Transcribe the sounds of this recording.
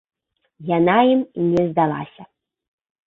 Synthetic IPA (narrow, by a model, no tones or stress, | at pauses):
janajimnʲɛzd̪alˠa̰sʲɐ